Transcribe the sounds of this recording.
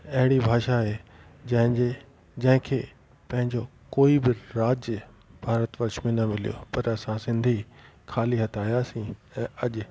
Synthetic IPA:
ɐɦɪɽ̃ibʱaːʃaɦe | d͡ʑɐ̃ɦɪ̃e | d͡ʑɐ̃ɦɪ̃kʰeː | pɐ̃ɦɪ̃ɲd͡ʑokoːibɪɾaːd͡ʑjə | bʱaːɾət̪ʋɐɾʃmẽnɐmɪlijo̰pɐɾɐsãsɪ̃nd̪ʱi | kʰaːliɦɐt̪ʰaːɦijaːsĩːɛ̃ːɐʄ

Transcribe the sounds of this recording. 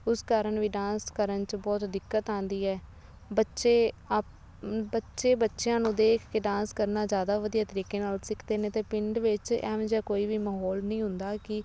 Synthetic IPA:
ʊskaːɾəɳʋiːɖãːnskəɾənt͡ʃbɔːt̪d̪ɪkːət̪ãːnd̪iːɛː | bətːʃeːa | bətːʃeːbətːʃjãːnũːd̪eːkʰkeɖãːnskəɾnaːzjaːd̪aːʋəd̪iːaːt̪əɾiːkeːnaːlsɪkʰd̪eːnẽːt̪eːpɪɳɖʋɪt͡ʃɛ̰̃ːʋd͡ʒɛːkoːiːʋiːmaɦɔːlnĩːɦʊnd̪aːkɪ

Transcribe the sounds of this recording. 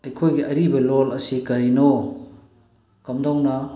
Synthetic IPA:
ɐjkʰojɡiʔɐɾibɐlolɐsikɐɾino | kɐmdɔŋnɐ

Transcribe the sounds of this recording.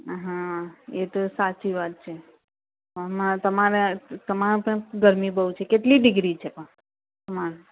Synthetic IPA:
ɦãet̪osat͡ʃiʋat̪̚t͡ʃʰe | əmat̪əmaɾet̪əmapəɳɡəɾmibəũt͡ʃʰekeʈliɖɪɡɾit͡ʃʰepə̃ | man

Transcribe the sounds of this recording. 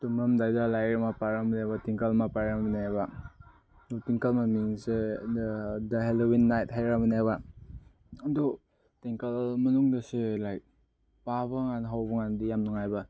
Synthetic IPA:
tumɾɐmdajdalajɾamapaɾaminajbɐtiŋkɐlmapaɾaminaba | dtiŋkɐlmamiŋse | dɐɦelowinːajt̚ɦajɾaminajba | ɐdu | tiŋkɐlmɐnuŋdɐselajk̚ | pabɐŋanɦawbɐŋandijamnuŋajbɐ

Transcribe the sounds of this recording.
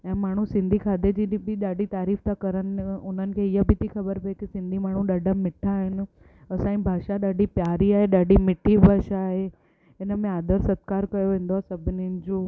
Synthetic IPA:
ɛ̃ːmaːɳ̤ũsɪ̃nd̪ʱikʰaːd̪ed͡ʑiːbɪɗaːɖʱit̪aːɾiːft̪ʰakɐɾənɪʊn̤ənɪ̆kʰeːɪɦəbʱɪt̪ʰixɐbəɾpɐekisɪ̃nd̪ʱimaːɳ̤ũɗɐɖʱəmɪʈʰaːɦɪnɪ̆ | ɐsãːĩbʱaːʃaɗaːɖʱipjaːɾiaːɦeɗaːɖimɪʈʰibʱaːʃaːɦe | ɪnəmẽaːd̪əɾsɐt̪̚kaːɾkɐjoʋẽːn̆d̪oasɐbʱɪninɪ̆d͡ʑoː

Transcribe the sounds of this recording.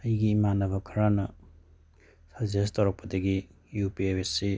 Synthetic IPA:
ɐjɡiːmanɐbɐkʰɐɾanɐ | sɐzestɐwɾɐk̚pɐd̪ɐɡi | jupiewesːe

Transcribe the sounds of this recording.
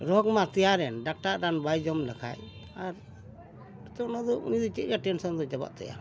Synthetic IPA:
ɾɔkmat̪ɛjaɾɛnɖak̚ʈaɾanbajd͡ʒɔmlakʰa̰j | aɾ | ɾɔt̪ɔnɔd̪ɔʔʔṵnid̪it͡ʃɛ̰ɾijaʈɛnsɔnd̪ɔd͡ʒaba̰ʔt̪ɛ̰ja̰

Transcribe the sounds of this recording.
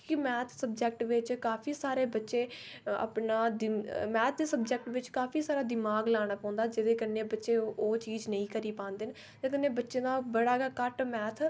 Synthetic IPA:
kɪmɛ̃ːt̪ʰsəbd͡ʒɛk̚ʈʋɪt͡ʃkaːpʰiːsaːɾeːbətːʃeːə̰pnaːd̪ɪmɛːt̪ʰd̪eːsəbd͡ʒɛk̚ʈʋɪt͡ʃkaːpʰiːsaːɾaːd̪ɪmaːɡlaːɽ̃aːpɔ̃ːnd̪aːd͡ʒɪd̪eːkəɾneːbətːʃeːoːt͡ʃiːd͡ʒnəĩːkəɾiːpãːnd̪ɪn | t̪eːkənːeːbətːʃẽːd̪aːbəɽaːɡakəʈmɛːt̪ʰ

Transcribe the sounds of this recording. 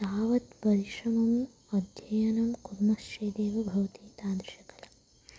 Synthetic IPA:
d̪aːʋɐt̪pɐɾiʃɐmɐm | ɐd̪ʱjɐjɐnɐmkuɾmɐsreːd̪eːʋɐbʱɐʋɐt̪iːt̪aːd̪ɾʃɐkɐlɐ

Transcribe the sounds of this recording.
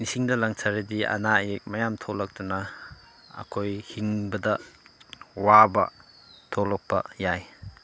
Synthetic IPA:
nisiŋdɐlaŋsʰaɾɐdiɐ̰najek̚mɐjamtʰolɐk̚tunɐ | ɐ̰kʰojhiŋbɐdɐ | wabɐ̰ | tʰolɔk̚pɐ̰jaj

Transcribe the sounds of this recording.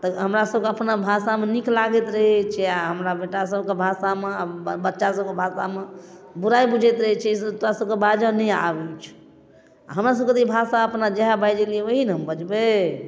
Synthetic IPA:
t̪əɦəmɾasəbʱkeəpnabʱasameniklaɡɛt̪ɾəɦɛt͡ʃʰɛaɦəmɾabeʈasəbkebʱasameabətːʃasəb̚kebʱasamebuɾajbud͡ʒʱɛt̪ɾəɦɛt͡ʃʰɛst̪oɾasəb̚kebad͡ʒənɛja̰bɛt͡ʃʰ | a̰ɦəmɾas̬əbket̪ibʱasaəpnad͡ʒeɦabajd͡ʒeliɛʋəɦinɦəmbəd͡ʒbe

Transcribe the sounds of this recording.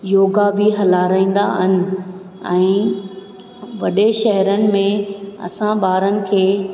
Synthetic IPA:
joːɡabɪɦɐlaːɾaːĩːn̆d̪a̰ɦɪnɪ̆ | ɛ̰̃ː | ʋɐɗeʃɐɦɾənɪ̆mẽɐ̰sãbaːɾənɪ̆kʰeː

